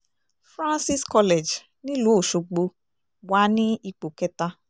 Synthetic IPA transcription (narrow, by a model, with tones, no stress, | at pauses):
fɾã˦nsi˦skɔ˧lɛ˨d͡ʒ | nĩ˦lu˨˦o˦˨ʃo˨ɡ͡bo˧ | wa˨˦nĩ˦i˧k͡po˨kɛ˦ta˧